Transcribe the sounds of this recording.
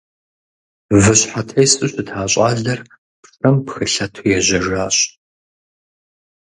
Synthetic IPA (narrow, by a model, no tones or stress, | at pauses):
vɨɕħatʰɐjsʼɨɕʼɪtʰaːɕʼaːɮɐr | pʂʼɐmpxɨɬɐtʰojɛʑɐʒaːɕ